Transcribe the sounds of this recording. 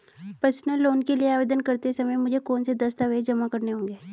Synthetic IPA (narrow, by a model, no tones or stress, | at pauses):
pəsnəlːoːnkelieaːʋeːd̪ənkɐɾt̪esɐməjmʊd͡ʒʱekoːnsed̪ɐst̪aʋed͡ʒɐmakɐɾneɦõːŋɡeː